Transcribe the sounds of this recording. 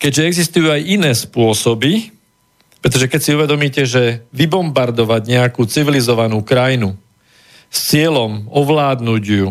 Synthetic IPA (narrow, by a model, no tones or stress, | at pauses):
kɛɟʒɛɛɡzist̪ujuːajinɛːspʊɔsɔbi | pɾɛt̪ɔʒɛkɛcsiuʋɛd̪ɔmiːcɛʒɛʋibɔmbaɾd̪ɔʋaɟɲɛakuːt͡siʋilizɔʋanuːkɾajnu | st͡sɪɛlɔmɔʋlaːd̪nuɟju